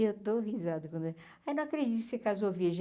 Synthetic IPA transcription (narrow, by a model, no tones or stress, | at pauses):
ewt̪ohizad̪ʊkɐ̃nd̪e | ajnɐ̃w̃akɾed͡ʒit̪kʊkɪsekazoviɾʒ